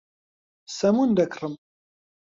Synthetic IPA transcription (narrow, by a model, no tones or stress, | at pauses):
sæmund̪ækrˤəm